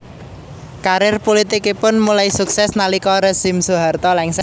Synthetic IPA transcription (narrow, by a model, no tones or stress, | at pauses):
kaɾɪrpulit̪ikipʊnmulaisuksɛsnalikɔɾesimsuɦart̪ɔlɛŋs